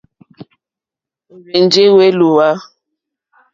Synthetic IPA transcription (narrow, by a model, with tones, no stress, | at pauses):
ɣe˨nd͡ʒe˦we˦lu˨wa˦